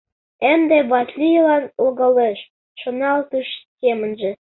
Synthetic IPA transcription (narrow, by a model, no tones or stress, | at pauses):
emd̪eβɑt̪lʲijlɑnolɣɤ̆leʃ | ʃonɑlt̪uʃsemə̆nʒĕ